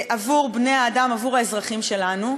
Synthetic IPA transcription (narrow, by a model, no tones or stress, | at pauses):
ʔavuʁbnejaːdamavuʁaezʁaχimʃe̞lanu